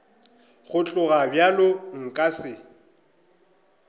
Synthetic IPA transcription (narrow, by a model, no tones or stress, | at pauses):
χʊt͡ɬʼʊɣabjalʊŋ̩kʼasɪ